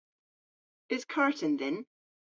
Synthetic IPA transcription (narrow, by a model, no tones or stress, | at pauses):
ɪz̥kʰaɹtʰə̃nðɪn